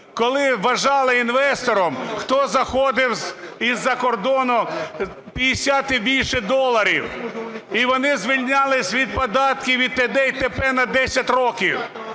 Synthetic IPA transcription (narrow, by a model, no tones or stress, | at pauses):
kɔlˠɪʋɐʒɑlˠɪinʋɛst̪ɔɾɔmxt̪ɔzɐxɔd̪ɪwzizːɐkɔrd̪ɔnʊ | pʲijɪsʲat̪ɪbʲilʲʃɪd̪ɔlˠɐɾʲḭwiʋɔnɪzʋʲilʲnʲalˠɪsʲʋʲid̪̚pɔd̪ɑt̪kʲɪʋʲid̪̚t̪ed̪ɛjt̪epɛnɐd̪ɛsʲɐtʲrɔkʲiw